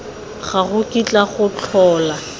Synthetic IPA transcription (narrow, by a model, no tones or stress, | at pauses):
χaɣʊkit͡ɬʼaχʊt͡ɬʰɔːla